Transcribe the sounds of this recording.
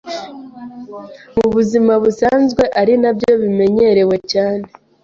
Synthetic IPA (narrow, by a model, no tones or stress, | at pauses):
muβuzimaβusaːnzɡwe̞ʔaɾinabjo̞βime̞ɲe̞ɾe̞we̞caːne